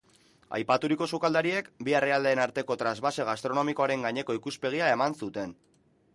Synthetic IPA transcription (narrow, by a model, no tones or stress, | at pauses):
a̰jpat̪uɾiko̞sukald̪aɾie̞kbiereald̪eːnaɾt̪e̞ko̞t̪ɾazβase̞ɣast̪ɾo̞no̞miko̞aɾe̞ŋɡaɲe̞koikuspe̞ɣ̞iae̞mansut̪e̞n